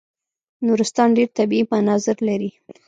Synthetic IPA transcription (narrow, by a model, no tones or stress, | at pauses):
nuɾɪst̪ɑnɖeɾt̪abiipanɑzɪɾlaɾi